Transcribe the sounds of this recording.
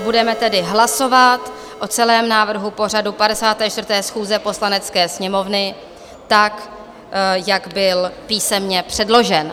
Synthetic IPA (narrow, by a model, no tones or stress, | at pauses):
budɛmɛt̪ɛdɪɦlaso̞vat̪ | ʔo̞t͡sɛlɛːmnaːvr̩ɦupo̞r̝adupadɛsaːt̪ɛːt͡ʃt̪vrt̪ɛːsxuːzɛpo̞slanɛt͡skɛːsɲɛmo̞vnɪ | t̪ak | jaɡbɪlpiːsɛmɲɛpr̥ɛdlo̞ʒɛn